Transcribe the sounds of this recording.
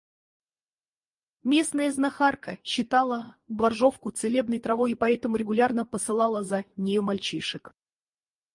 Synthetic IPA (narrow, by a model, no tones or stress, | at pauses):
mʲe̞snəjəznɐxarkəɕːɪt̪ɑlˠəblˠɐrʐo̞fkʊt̪sɨlʲe̞bnəjt̪ɾɐvo̞jipɐɛt̪əmʊɾʲɪɡʊlʲarnəpəsɨlˠɑlˠəzənʲɪjomalʲt͡ɕiʂɨk